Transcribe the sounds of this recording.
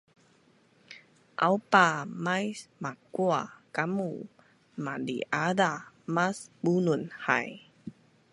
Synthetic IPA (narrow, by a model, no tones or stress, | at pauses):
ʔawpamajsmakuakamu | madḭʔada | masbununha̰j